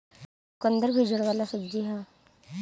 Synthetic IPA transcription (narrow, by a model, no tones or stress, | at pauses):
kənd̪əɾbʱid͡ʒəɽʋaːlasəd͡ʒiɦa